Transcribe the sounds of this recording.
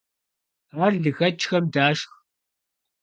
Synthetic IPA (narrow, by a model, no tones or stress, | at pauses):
aːrɮɨxɐt͡ʃxɐmdaːʂx